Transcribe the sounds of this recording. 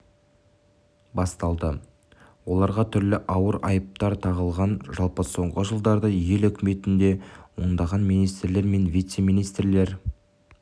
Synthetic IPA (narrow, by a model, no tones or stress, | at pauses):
bɑst̪ɑlˠd̪ə | wo̞lˠɑɾʁɑt̪ʰʏɾlɪʔɑwəɾɑjəp̚t̪ɑɾt̪ʰɑʁəlˠʁɑnʒɑlˠpəso̞ɴʁəʒəlˠd̪ɑɾd̪əje̞lɵkʲɪme̞t̪ɪnd̪e̞wo̞nd̪ɑʁɑnmijnijst̪ɾle̞ɾme̞nvijt̪se̞minijst̪ɾle̞ɾ